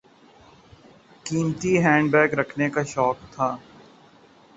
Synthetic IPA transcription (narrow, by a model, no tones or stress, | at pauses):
kiːmt̪iɦɛ̃ːɳɖbɛːkɾɐkʰnekaʃɔːk̚t̪ʰaː